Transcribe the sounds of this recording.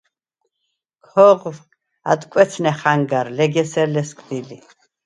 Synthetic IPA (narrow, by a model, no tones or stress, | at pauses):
kʰɔʁw | a̰d̪ʼkʼɛt̪t͡sʰnɛχaŋɡaɾlɛɡɛsɛɾlɛskʼd̪ili